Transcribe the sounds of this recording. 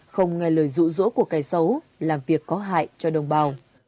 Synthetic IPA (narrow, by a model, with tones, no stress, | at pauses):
xə˧wŋ͡mŋɛ˧ləː˧˩jzṵ˧˨zṵ˧˥ku˧˩əkaː˨˦jsə˨˦w | laː˨˩mvi˨˩əkːɔ˨˦ɦa̰ː˧˨jt͡ɕɔ˧ɗə˨˩wŋ͡mɓaː˨˩w